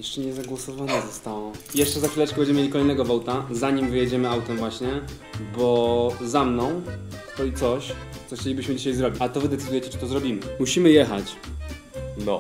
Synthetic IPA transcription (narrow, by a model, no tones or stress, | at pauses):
jɛʂt͡ʂɛɲɛzaɡwɔsɔvanazɔst̪awɔjɛʂt͡ʂɛzaxfʲilɛt͡ʂkʲɛbɛɲd͡ʑɛmʲjʲikɔlɛjnɛɡɔvɔwt̪azaɲimvɘjɛd͡ʑɛmɘawt̪ɛmvwaɕɲɛ | bɔzamnɔ̃w̃ | t̪ɔit̪sɔɕ | t̪ɔxt͡ɕelʲibɘɕmɘd͡ʑiɕajzɾɔbʲit͡ɕat̪ɔvɘd̪ɛt̪sɨd̪ujɛt͡ɕɛt͡ʂɨ̥t̪ɔzɾɔbʲimɘmuɕimɘjɛxat͡ɕ | d̪ɔ̰